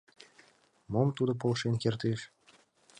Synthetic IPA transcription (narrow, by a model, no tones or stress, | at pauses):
momt̪ud̪op̬olʃenkert̪eʃ